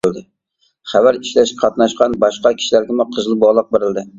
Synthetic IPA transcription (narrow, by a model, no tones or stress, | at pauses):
ɪld̪ɪ | χavaɾɪʃlaʃqʰɑt̪nɑʃqɑnbɑʃqɑkʲʰi̥ʃlaɾɡʲɪmʊqʰɨzlˠɨbɒʁlˠɨq̚beɾɪld̪ɪ